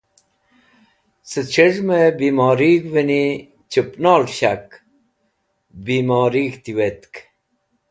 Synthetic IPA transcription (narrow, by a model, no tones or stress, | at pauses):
sət͡ɕʰeʐmebiːmɔːɾiɡʋeni | t͡ɕəpnaːlɕak | biːmoːɾiːɡt̪iwet̪k